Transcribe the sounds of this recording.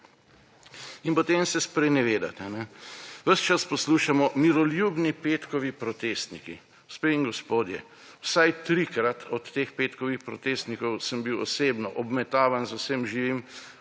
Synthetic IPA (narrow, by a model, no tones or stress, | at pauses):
inpɔt̪emsɛspɾɛnɛʋeːd̪a̰t̪ɛnɛʋəʃt͡ʃaspɔsluːʃamɔmiɾɔljubnipet̪kɔʋipɾɔt̪eːst̪nikḭ | uspeiŋɡɔspoːd̪jɛ̰ | wsajt̪ɾikɾat̪ʰɔt̪ːeːxpet̪kɔʋixpɾɔt̪eːst̪nikɔwsəmbiwɔseːbnɔʔɔbmɛt̪aːʋanzʊsəmʒiʋim